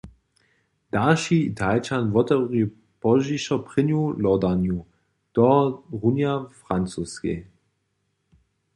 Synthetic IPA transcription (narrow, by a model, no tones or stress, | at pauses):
d̥aʃiit̪ʰalt͡ʃanvɔt̪ɛʁi | pɔʒiʃɔpʁ̥ɪnjulɔd̪anju | d̥ɔʁunjafʁant͡suskḛ